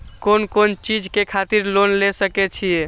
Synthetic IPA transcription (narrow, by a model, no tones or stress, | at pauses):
konkont͡ʃid͡ʒʱkekʰat̪iɾlonlesəkɛt͡ʃʰije